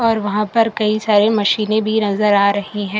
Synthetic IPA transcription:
ɔːɾʋɐɦãpɐɾkɐisaːɾemɐʃiːnẽbʱinɐzəɾaːɾɐɦiɦɛ̃ː

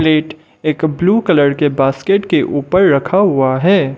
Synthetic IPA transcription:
leːʈ | eːkbluːkɐləɾkebaːskeːʈkeʔuːpəɾːɐkʰaɦʊaɦɛː

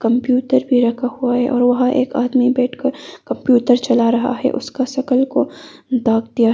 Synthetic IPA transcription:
kɐ̃mpjuːʈəɾbʱiɾɐkʰahuaɦɛʔɔːɾʋɐɦãʔḛːka̰ːd̪mibɛːʈʰkɐɾkɐ̃mpjuːʈəɾt͡ʃɐlaɾɐɦa̰ɦɛ̰ʔʊ̰skaʃɐkəlko | d̪aːɡd̪ija

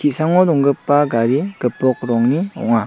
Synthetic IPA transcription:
kʰiʔ̚saŋɔdɔŋɡɯpːaɡaɾiɡ̥ɯpːɔk̚ɾɔŋniɔ̰ŋa

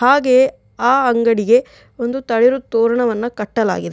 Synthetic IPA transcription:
haːɡe̞ | aːɐŋɡɐɽiɡe̞ | o̞nd̪ut̪ɐɭiɾut̪oːɾɐɳɐʋɐnːɐkɐʈːɐla̰ːɡid̪e

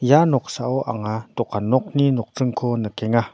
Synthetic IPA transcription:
janɔk̚saʔɔʔa̰ŋatɔkanɔk̚ninɔk̚t͡sɯŋkʰɔnəkɛŋa

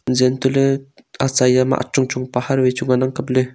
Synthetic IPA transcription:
zent̪uleat͡sajama̰ʔa̰t͡ʃuŋt͡ʃuŋpahaɾwet͡ʃuŋanaŋkap̚le

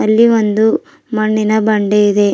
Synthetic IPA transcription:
ɐlːiʋond̪u | mɐɳːinɐbɐɳɖeid̪e̞

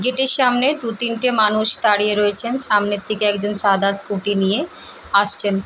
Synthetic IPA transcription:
ɡeʈeɾʃamned̪ut̪inʈemanuʃt̪aɽijeɾoet͡ɕʰenʃamnit̪ːikeɛkd͡ʑonʃad̪ʱaɾskuʈinije | aʃt͡ɕʰen

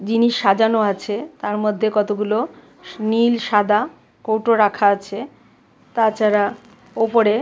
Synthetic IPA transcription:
d͡ʑiniʃːad͡ʑanoat͡ɕʰet̪aɾmod̪ʱːekɔt̪oɡulo | nilʃad̪ʱa | kowʈoɾakʰaat͡ɕʰe | t̪at͡ɕaɾa | opoɾe

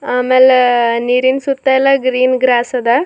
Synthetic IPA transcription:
aːmeːleniːɾinsut̪ːailːɐɡɾiːnɡɾaːsɐd̪ɐ

